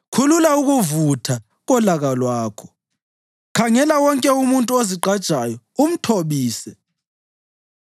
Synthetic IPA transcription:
kʰululauɣuvutʰa | ɣɔlaɣalwaːkʰɔ̥ | kʰaŋɛlawɔŋkʼɛumuntʼuoziǃad̥ʒ̥ʱajɔ | um̩tʰoβiːsɛ

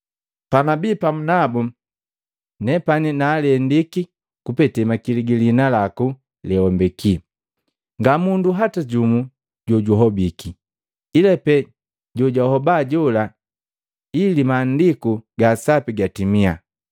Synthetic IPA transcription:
panabipamunabu | nɛpaninaːlɛndiki | kupɛtɛmakiliɡilinalaku | lɛwɔmbɛki | ŋɡamunduɦataɟumu | ɟɔɟuɦɔbiki | ilɛpɛ | ɟɔɟɔhɔbaɟɔla | ilimaːndikuɡasapiɡatimia̰

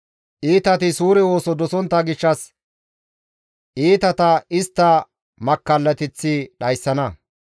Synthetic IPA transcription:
ʔiːt̪ɐt̪ɪsuːɾɛwo̞ːsɔd̪ɔsɔnt̪ːɐɡɪʃːɐs | ʔiːt̪ɐt̪ɐɪst̪ːɐ | mɐkːɐlːɐt̪ɪt͡sːɪɗɐjsːɐnɐ

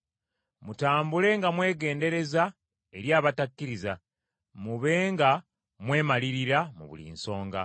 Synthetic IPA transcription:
mutaːmbule̞ŋɡamwe̞ːɡe̞ːnde̞ɾe̞za | e̞ɾjaːβatakːiɾiza̰ | muβe̞ːŋɡa | mwe̞ːmaliɾiɾamṵβṵlḭːnso̞ːŋɡa̰

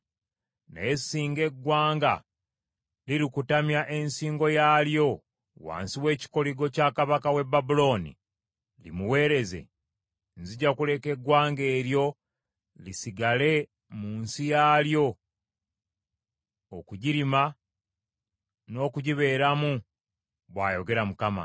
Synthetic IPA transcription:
na̰esːiːŋɡe̞ɡwaːŋɡa̰ | liɾikutamjaʔe̞nsiːŋɡo̞jaːljo̞ | wa̰ːnsiwe̞ːci̥ko̞liɡo̞cakaβakawe̞babulo̞ːnḭ | lḭmuwe̞ːɾe̞ze̞̰ | nziɟakule̞ke̞ɡwaːŋɡe̞ːɾjo̞ | lisiɡale̞ | muːnsijaːljo̞ | okuɟiɾima | no̞ːkuɟiβe̞ːɾamu | βwa̰ːjo̞ɡe̞ɾamukama̰

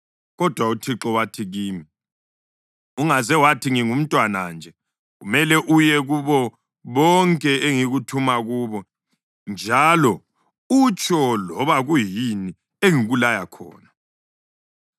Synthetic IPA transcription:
ɣɔd̥ʱwautʰiǁɔwatʰiɣiːmi | uŋazɛwatʰiŋiŋum̩tʼwanand͡ʒʱɛ | ɣumɛlɛʔujɛɣuβɔ | βɔŋkʼɛeŋiɣutʰumaɣuβɔ | nd͡ʒʱalɔ | ut͡ʃʰʼɔlɔβaɣujini | eŋiɣulajakʰɔ̰ːna

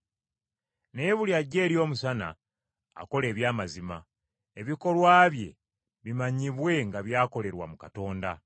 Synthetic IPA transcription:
ne̞βuljaɟːe̞ːɾjo̞ːmusana̰ː | ko̞le̞ːβjaːmazima | eβiko̞lwaːβje̞̰ | βimaɲiβwe̞ŋɡaβjaːko̞le̞ɾwa̰mukato̞ːnda

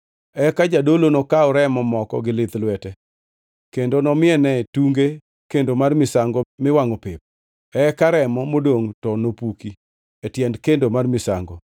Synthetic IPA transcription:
ɛkad͡ʒadolonokaɔɾɛmɔmɔkɔ̰ɡɪlɪt̪lwɛtɛ | kendonɔmɪɛnɛtuŋɡe | kendomarmɪsaŋɡɔmɪwaŋopɪp̚ | ɛkaɾɛmɔmodoŋtɔnopuki | etjɛndkendomarmɪsa̰ŋɡɔ

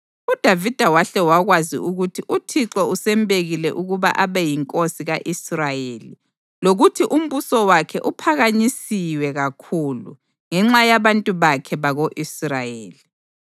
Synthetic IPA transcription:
ud̥ʱavid̥ʱawaɬɛwaɣwazḭuɣutʰiʔutʰiǁɔusɛmbeɣilɛ̰ʔuɣuβa̰ʔaβɛjiŋkʼosiɣaʔisrajeːli | loɣutʰiʔum̩βusɔwakʰɛʔupʰaɣaɲisiwɛɣakʰulṵ | ŋɛŋ͡ǁajaβantʼuβakʰɛβaɣoʔisrajeːli

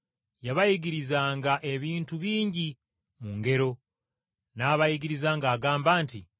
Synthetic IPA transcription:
jaβajiɡiɾizaːŋɡaʔe̞βiːntuβiːɲɟi | muŋɡe̞ɾo̞ | naːβajiɡiɾizaːŋɡaːɡaːmbaːntḭ

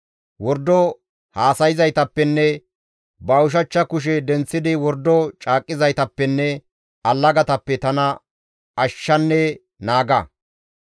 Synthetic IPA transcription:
wɔɾd̪ɔ | haːsɐjɪzɐjt̪ɐpːɛnːɛ | bɐwʊʃ̬ɐt͡ʃːɐkʊʃ̬ɛd̪ɛnt͡sːɪd̪ɪwɔɾd̪ɔt͡ʃʼaːkʼːɪzɐjt̪ɐpːɛnːɛ | ɐlːɐɡɐt̪ɐpːɛt̪ɐnɐ | ɐʃːɐnːɛ | naːɡɐ

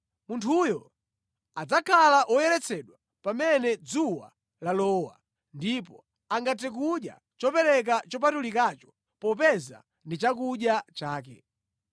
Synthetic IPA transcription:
muntʰujɔ | ad͡zakʰalaʔɔjɛɾɛt͡sʰɛɗwa | pamɛnɛd͡zuwa̰ | lalɔːwa̰ | ndip̬ɔ | aŋɡat̬ɛk̬uɗja̰ | t͡ʃɔpɛɾɛk̬at͡ʃɔp̬atulikat͡ʃɔ̥ | pɔpɛza̰ | ndit͡ʃakuɗjat͡ʃaːkɛ

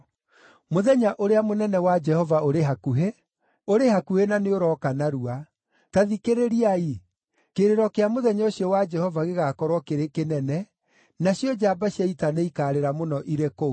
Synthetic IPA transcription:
moðɛɲaʔoɾeamonɛnɛwad͡ʒɛhɔvaoɾeɦakuɦe | oɾehakuhenaneoɾɔkanaɾua | taðikeɾeɾiai | keɾeɾɔkeamoðɛɲoɕjɔwad͡ʒɛhɔvaɣeɣaːkɔɾwɔkeɾekenɛnɛ | naɕjɔd͡ʒabaɕjaitaneikaːɾeɾamonɔʔiɾeko

